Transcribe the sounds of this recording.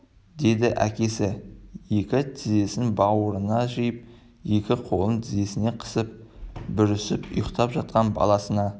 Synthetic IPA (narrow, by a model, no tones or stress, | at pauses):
d̪e̞d̪ɪʔækʲe̞sɪje̞kʲɪt̪ʰɪze̞sɪnbɑwəɾənɑʒijəp̚ | je̞kʲɪqʰo̞lˠənt̪ʰɪze̞sɪne̞qʰə̥səp̚bʏɾɪsɪpʊ̰jəqt̪ɑpʒɑt̪̚qɑnbɑ̰lˠɑsənɑ